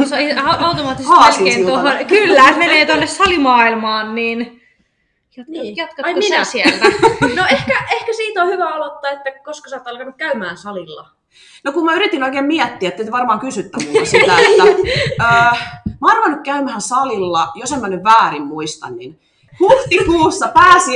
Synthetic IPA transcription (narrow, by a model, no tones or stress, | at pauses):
soiɑɑut̪omɑːt̪ːishɑːsiesiohonkylːæmeneːt̪onːessɑlimɑːilmɑːnniːn | jonjɑt̪kɑminæsielnoehkkæʔehkæsiːt̪ohyʋæolot̪ːɑːet̪ːækoskɑsɑːt̪ːɑlkɑnukkæymæːnsɑlilːɑ̰ | nokummæyɾit̪inoikeːmmiɛt̪ːiæet̪ːet̪ʋɑrmɑːŋkysyt̪ːæmuæst̪æet̪ːæː | mɑːnruʋɑnːukkæymæhænsɑlilːɑjosemmænyʋʋæːɾimmuist̪ɑ̰nnin | huht̪ikuːsːɑpæːsi